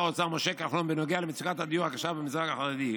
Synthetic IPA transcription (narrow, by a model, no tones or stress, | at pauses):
ot͡samoʃekaχlombenoɡealemɪt͡sikat̪ad̪ijuakaʃabemizʁakaχaʁed̪i